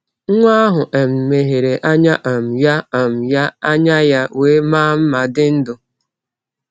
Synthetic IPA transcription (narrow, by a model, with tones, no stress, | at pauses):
ŋ̩˦ŋʷa˦ɦʊ˨ʔe˨m̩˨me˨ɦe˨ɾe˨ʔa˦ɲa˦ʔa˨m̩˨ja˦a˨m̩˨ja˦a˦ɲa˦ja˦weː˦maː˦m̩˦ma˨dɪ˦n̩˦dʊ˨